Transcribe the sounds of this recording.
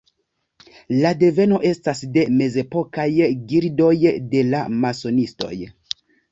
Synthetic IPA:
lade̞ve̞no̞ʔe̞stasde̞me̞ze̞po̞kajɡiɾdo̞jde̞la̰maso̞nisto̞̰j

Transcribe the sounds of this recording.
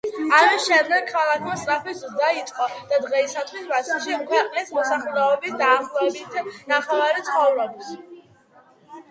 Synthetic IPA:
alɛʃɛd̪ɡankʰalˠakʰmast̪ʼɾapɛsud̪ait̪ʼqʼɔd̪̥ad̪ʁɛisat̪ʰχwisbat̪sʰɛʃikʰwɛqʼnismɔsaχlɛɔbisd̪aːχlˠɔɛbit̪ʰnaχɛvaɾit̪sʰχɔvɾɔbs

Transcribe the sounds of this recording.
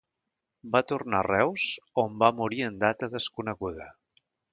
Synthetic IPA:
bat̪urnarɛwz̥ombamuɾiənd̪at̪əðəskunəɣuðə

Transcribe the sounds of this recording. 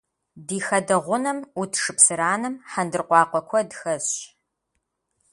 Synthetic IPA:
diːxɐdɐʁʷʊnɐmutʰʂɨpsɨɾaːnɨmħɐndɨrqʷɑːqʷɔkʷʰɔdxɐɕɕ

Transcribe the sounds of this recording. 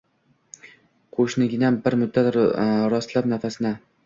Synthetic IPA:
qʰoʃnɪɡʲɪnabɪɾmʊd̪ːat̪ɾɒst̪lapnafasɪna

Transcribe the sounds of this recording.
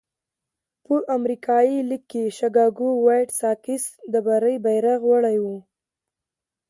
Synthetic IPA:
pəʔamɾikʰɑjilikːeʃaɡɑɡuwajʈsɑkɪsd̪əbaɾəjbajɾaɣwaɽajwu

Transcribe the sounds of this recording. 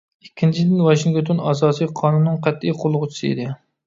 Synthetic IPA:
ikʲːint͡ʃʰid̪ɪnwɑʃiŋɡʲot̪ʰʊnɑzɑːsɨjqʰɑnunːɨŋqʰæt̪ːijqʰolˠːʊʁʊt͡ʃʰi̥sɨḛd̪ɪ

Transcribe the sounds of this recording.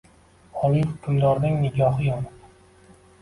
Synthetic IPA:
ɒlˠihʊkʲʰʊmd̪ɒɾnɪŋnɪɡʲɒhɨjɒn

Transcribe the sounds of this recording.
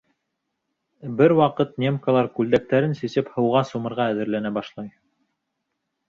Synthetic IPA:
bɘɾwɑqɤt̪̚nʲemkalˠɑɾkʉld̪æk̚t̪æɾɘnsɘsɘphɤ̆wʁɑsumɤ̆ɾʁɑæðɘ̆ɾlænæbɑʃlˠɑj

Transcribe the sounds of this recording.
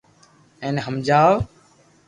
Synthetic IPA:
ẽːnɦəmd͡ʒaːʋ

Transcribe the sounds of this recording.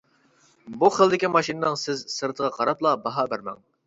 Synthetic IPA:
buχəlˠd̪ɪkʲimɑʃinɨnɨŋsɪzsɨɾt̪ʰəʁɑqʰɑɾɑplˠɑbɑɦɑbæɾmɛ̰ŋ

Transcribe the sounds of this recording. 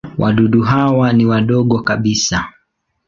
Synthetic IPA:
wʔaɗuɗuɦawaniwaɗɔɠɔkaɓisa

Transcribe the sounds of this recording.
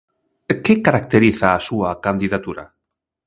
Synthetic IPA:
kekaɾak̚t̪eɾiθaːsuakand̪iðat̪uɾa̰

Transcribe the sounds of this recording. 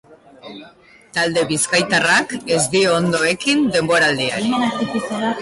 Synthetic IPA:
t̪ald̪e̞βiskajt̪arake̞zd̪iond̪o̞e̞kind̪e̞mbo̞ɾald̪ia̰ɾi

